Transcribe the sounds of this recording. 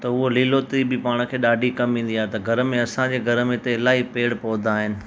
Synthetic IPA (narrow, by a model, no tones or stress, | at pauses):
t̪ɐʊɦoliːloːt̪ibɪpaːɽ̃̆kʰeːɗaːɖʱikɐmʋĩːn̆d̪iaːɦet̪ɐɡʱɐɾəmẽɐsãd͡ʑeːɡʱɐɾəmẽɪt̪eɪlaːɦipeːɽpɔːd̪ʱaːɦɪnɪ̆